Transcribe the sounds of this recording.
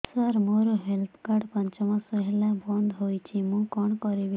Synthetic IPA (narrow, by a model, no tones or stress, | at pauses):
sʌɾmoɾɔɦelt̪ʰkaɖpɔnt͡ʃɔmãsɔɦelabɔnd̪ɦojt͡ʃʰimũkɔɳ̃kɔɾib